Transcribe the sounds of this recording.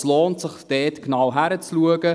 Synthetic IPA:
sloːntsɪχd̥ɛːtknawɦæɾət͡sluəɡə

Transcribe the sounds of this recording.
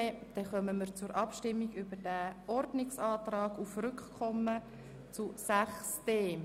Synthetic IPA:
ɛd̥ɛχœməməɾt͡suɾʔɑpʃtɪmːiɡʏbədæʔɔɾdnɪksɑːt̪rɑːɡufrʏkχkʰːɔmːə | t͡susæχsd̥eː

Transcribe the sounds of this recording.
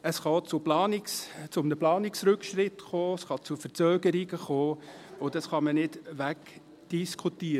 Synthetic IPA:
əsχɑt͡sʊplɑːnɪkst͡sʊmnəplɑːnɪksɾɵkʃɾɪtχoːəsχɑt͡sufəɾt͡sœːɡəɾiɡəχoːʊdɑsχɑmənɪdʋæk | d̥iskʰut̪iːəɾ

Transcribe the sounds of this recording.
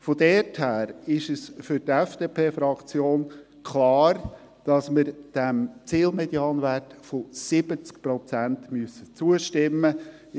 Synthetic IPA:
fod̪ɛːthæːɾɪʃəsfʏɾtɛfd̥eːpʰeːfɾɑkt͡sjoːn | kʰlɑːɾ | d̥ɑsməɾd̥ɛmt͡siːlmɛdjɑːnʋæːtfosɪb̥ət͡skpɾɔt͡sæntmyøəsːət͡suəʃtɪmːə

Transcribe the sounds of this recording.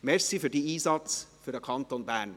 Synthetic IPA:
mɛɹsifyːdiːiːsɑt͡sfydəkʰɑnt̪onbæːɹn

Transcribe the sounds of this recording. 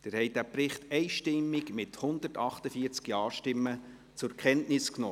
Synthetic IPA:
d̥ɛːɾhɛɪd̥æpɾɪχtɛɪʃtɪmːɪɡmɪthʊnd̪ətɑχtəfiːəɾt͡skjɑːʃtɪmːə | t͡sʊɾkʰɛntnɪsknɔ

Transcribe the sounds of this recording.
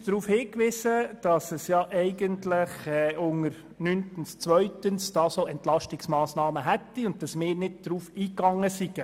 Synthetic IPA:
d̥ɾuːfhɪːkʋɪsəd̥ɑsɛsjɑʔɛɪɡəntlɪχɛʔʊŋəɾ | nyntənst͡sʋœɥtənsd̥ɑːsoʔɛnt̪lɑʃtɪksmɑːsnɑːməɦɛt̪ːiʊnd̚dɑsmɪːɾnɪd̚d̥ɾuːfiːkɑŋːəsiɡ̥ə

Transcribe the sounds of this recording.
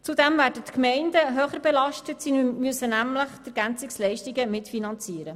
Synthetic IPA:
t͡sudɛmvæːɾd̥ətkmɛndəɦøːχəɾbɛlɑʃtətsimyəsənæmləχd̥̪əɾɡ̥ænt͡sikslɛɪʃtiɡəmɪtfinɑnt͡siəɾə

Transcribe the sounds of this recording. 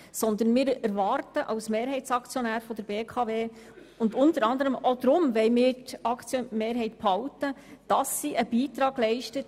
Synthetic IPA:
sɔnd̪ənmɪːɾæɾʋɑrtəʔɑʊsmeːɾɦɛɪt͡sɑkt͡sjɔnæːɾfɔdəɾb̥eːkʰɑːveː | ʊndʊntəɾɑnd̪əɾəmod̪ɾʊmʋɛɪmɪːɾtɑkt͡sjmeːɾɦɛɪtphɑʊtəd̥ɑsːiːʔəb̥iːtɾɑːɡ̥lɛɪʃtət

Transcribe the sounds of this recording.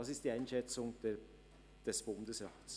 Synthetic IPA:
ɑsɪst̚d̥iːaɪnʃɛt͡sʊŋdɛ | d̥ɛsb̥ʊndəsʁaːts

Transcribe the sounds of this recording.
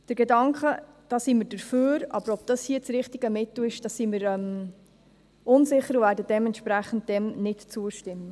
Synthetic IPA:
d̥əɾɡ̥ɛdɑŋkχə | d̥ɑːsiməɾd̥əɾføːɾɑ̰b̥əɾɔb̥̚d̥ɑshiət͡sɾɪχtiɡəmɪt̪l̩ɪʃd̥ɑsiməɾɛm | ʔʊnsɪχːəɾʊvæːɾdəd̥ɛmɛntʃpɾæχən̩d̚d̥ɛmnɪtt͡suəʃtɪmːə

